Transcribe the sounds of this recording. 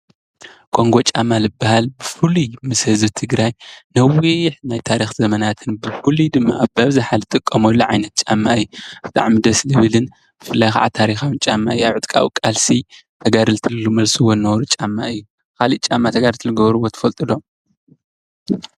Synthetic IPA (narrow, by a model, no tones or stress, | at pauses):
kʼʰo̞ŋɡo̞t͡ʃʼamːalɨbːahalbɨfɨlumɨshɨzbɨt̪ʰɨɡɾajnɐwiħnajt̪ʰaɾixzɐmɐnat̪ʰɨnbɨfɨlud̪ɨmːaʔːβbɐβzaħalt̪ʼɨkʼːɐmolːuʕajnɐt̪̚t͡ʃʼamːaɨjːub̥ɨt̪ʼa̰ʕmid̪ɐslɨβɨlɨn | b̥ɨfɨlːajka̰ʕa̰t̪ʰaɾixawɨnt͡ʃʼamːa̰ɨjuaβʕɨt̪ʼkʼa̰w̰kʼalsit̪ʰɐɡaɾɨlt̪ʰɨlɨlːumɐlsuwonːɐβɾut͡ʃʼamːaʔɨjːu | kʰalit͡ʃʼamːat̪ʰɐɡaɾt̪ɨlɨɡɐβɾuβo̞t̪ʰɐ̥fɐlt̪ʼɨd̪o̞m